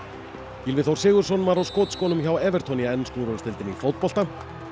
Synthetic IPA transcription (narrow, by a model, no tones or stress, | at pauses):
ilvɪθowɾ̥sɪːɣʏɾsɔnmaɾawskoːt̪skɔːnʏmçawɛːvɛɾ̥t̪ʰɔniaɛnːskuɾʏnst̪ɪlt̪ɪnifowt̪pɔlt̪a